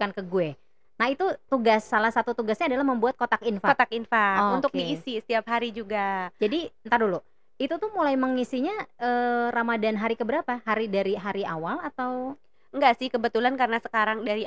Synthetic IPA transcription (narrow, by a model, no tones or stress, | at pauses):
kankəɡue | nait̪ut̪uɡasːalahsat̪ut̪uɡasɲaːdalahməmbuat̪̚kot̪akinfaot̪akinfaount̪ʊk̚diːsisə̥t̪iap̚ɦaɾid͡ʒuɡad͡ʒadint̪ardulu | it̪ut̪ʊhmulajməŋisiɲaəramadanɦaɾikəbəɾapaɦaɾidaɾiɦaɾiawalat̪aw | ŋɡaʔsɪhkəbət̪ulankaɾənasə̥kaɾaŋdaɾi